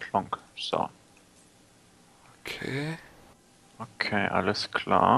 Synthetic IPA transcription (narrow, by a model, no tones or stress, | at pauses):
lɔ̃ŋksɔ̰ | okʰe | okʰeʔa̰ləskʰla̰